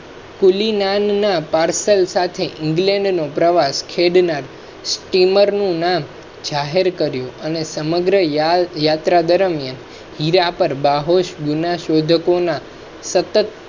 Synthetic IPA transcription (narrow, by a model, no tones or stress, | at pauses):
kulinanːapaɾsəlsat̪ʰeʔɪ̃ŋɡlɛ̃ɳɖnopɾəʋaskʰeɖnaɾ | sʈiməɾnũnam | d͡ʒaɦeɾkəɾjũənesəməɡɾəjat̪ɾad̪əɾəmjan | hiɾapəɾbaɦoʃɡunaʃod̪ʱəkona | sət̪ət̪